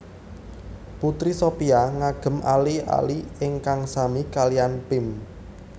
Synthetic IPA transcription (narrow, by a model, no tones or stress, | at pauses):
put̪ɾisopiaŋaɡ̥ə̤malia̰liɪŋkaŋsamikalianpɪm